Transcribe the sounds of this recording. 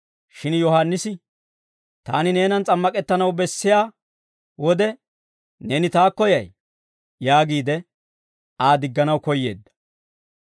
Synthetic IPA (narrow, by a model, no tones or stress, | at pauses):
ʃɪnjɔhanːɪsɪ | t̪aːnɪne̞ːnɐnt͡sʼɐmːɐkʼɛt̪ːɐnɐwbɛsːɪjaː | wɔd̪ɛ | nɛnɪt̪aːkːɔjɐj | jaːɡiːd̪ɛ | aːd̪ɪɡːɐnɐwkɔjːe̞̰ːd̪ːɐ̥